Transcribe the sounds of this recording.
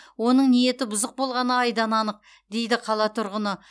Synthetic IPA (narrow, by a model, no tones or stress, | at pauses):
wo̞nəɴnije̞t̪ɪbʊzəq̚bo̞lˠʁɑnəɑjd̪ɑnɑnəq̚ | d̪e̞jd̪ɪqʰɑlˠɑt̪ʰʊɾʁənə